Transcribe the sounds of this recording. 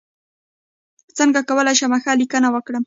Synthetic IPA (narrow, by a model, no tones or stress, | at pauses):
t͡səŋɡakawalajʃamaxalɪkanawakɽəm